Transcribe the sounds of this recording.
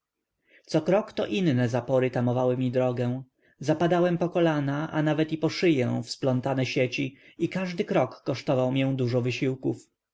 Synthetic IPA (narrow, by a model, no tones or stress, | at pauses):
t̪sɔkɾɔkt̪ɔʔinːɛzapɔɾɘt̪amɔvawɘmʲid̪ɾɔɡɛ̃w̃ | zapad̪awɛmpɔkɔlanaʔa̰navɛt̪ipɔʂɘjɛ̃w̃fsplɔnt̪anɛɕet͡ɕi | ikaʐd̪ɘkɾɔkːɔʂt̪ɔvawmjɛ̃d̪uʐɔvɘɕiwkuf